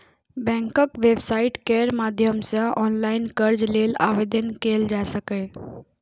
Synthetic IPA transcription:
bɛ̃ːŋkəkʋebsaːɪʈkeːɾmaːd̪ʱjəmsə̃ʔɔːnlaːɪnkəɾd͡ʒleːla̰ːʋed̪ənkeːld͡ʒasəkə

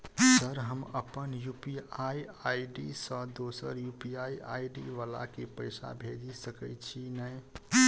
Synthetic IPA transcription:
səɾɦəməpənjupiaiaiɖisə̃d̪osəɾjupiaiaiɖḭʋala̰kepəɪsa̰bʱed͡ʒisəkət͡ʃʰinɛj

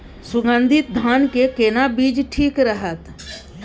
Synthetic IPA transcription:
sʊɡə̃nd̪ʱɪt̪̚d̪ʱaːnkekeːnabiːd͡ʒʈʰiːkɾəɦət̪

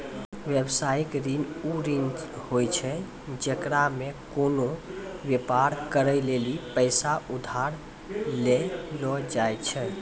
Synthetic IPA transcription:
ʋjebsajikɾinuɾind͡ʒhojt͡ʃʰɛ | d͡ʒekɾamekonoʋjepaɾkəɾəjlelipəsaud̪ʱaɾ | lelɔd͡ʒajt͡ʃʰɛ

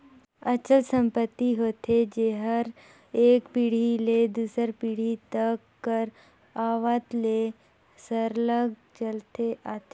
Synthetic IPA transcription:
ət͡ʃəlsə̃mpət̪ːiɦoːt̪ʰed͡ʒeɦəɾ | eːkpiːɽ̤iled̪uːsəɾpiːɽ̤it̪əkːəɾ | aːʋat̪le | səɾləɡt͡ʃəlt̪eʔat̪e

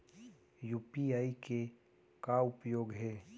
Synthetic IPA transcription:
juːpiaːike | kaʊpjoːɡɦɛː

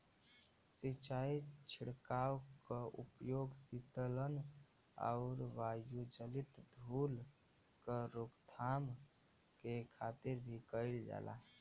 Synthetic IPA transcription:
sit͡ʃaːit͡ʃʰɪɽkaːwkəʔṵpjoːɡsit̪ələn | a̰ʊɾʋaːjud͡ʒəlit̪d̪ʱuːl | kəɾokt̪ʰaːm | kekʰat̪ɪɾbʱikəɪld͡ʒa̰ːla̰

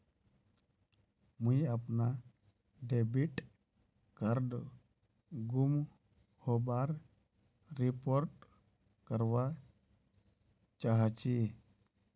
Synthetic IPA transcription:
mũjapna | ɖebiʈ | kaɾɖ | ɡum | hobaɾː | ipoɾʈ̚ | kəɾwa | t͡ʃaɦat͡ʃi

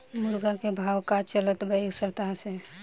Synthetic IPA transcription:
muɾɡakebʱawkat͡ʃələt̪bəjksəɦt̪aɦse

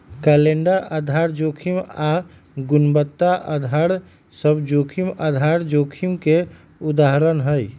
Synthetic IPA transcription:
kɛːleɳɖəɾəd̪ʱaɾd͡ʒoːkʰima | ɡʊnbət̪ːaʔəd̪ʱaɽ | səbd͡ʒoːkʰiməd̪ʱaɾd͡ʒoːkʰimke | ʊd̪aɦɾənɦəj

